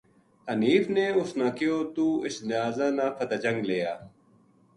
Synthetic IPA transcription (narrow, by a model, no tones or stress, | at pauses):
əniːfneːʊsnãːkɪjoːt̪uːɪsnɪjaːzãːnãːpʰət̪aːd͡ʒə̃ŋɡleːjaː